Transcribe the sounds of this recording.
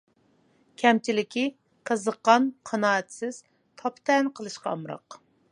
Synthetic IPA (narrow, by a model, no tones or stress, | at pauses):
kʲʰɛmt͡ʃʰilɪkʲʰi | qʰəzəqːɑnqʰɑnɑːɛt̪sɪz̥ | t̪ʰɑpt̪ʰɛnqʰəlˠɨʃqʰɑːmɾɑ̰q